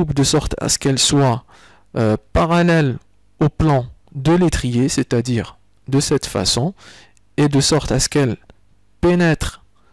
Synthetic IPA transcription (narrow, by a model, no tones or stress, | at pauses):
upd̪əsɔʁt̪a̰sə̥kɛlswa | øpaʁalɛl | oplɑ̃d̪əlet̪χijeset̪ad̪iːʁ | d̪əsɛt̪fa̰sɔ̃ | ed̪əsɔʁt̪asə̥kɛl | penɛt̪χ